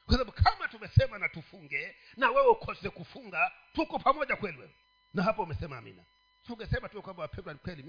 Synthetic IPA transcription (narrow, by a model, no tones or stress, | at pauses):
kwasaaɓukʰamatumɛsɛmanatufuŋɡɛ | nawɛwɛukʰɔsɛkufuŋɡatukɔpʰamɔʄakwɛlwɛ | naɦapɔumɛsɛmaa̰mḭna̰ | suŋɡɛsɛmatujɛkwambawapɛndwanikwɛli